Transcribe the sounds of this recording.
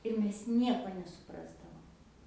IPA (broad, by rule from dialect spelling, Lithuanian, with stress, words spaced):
ɪr ˈmʲɛs ˈnʲiɛkoː nʲɛsʊˈprɑːzdɐʋoːm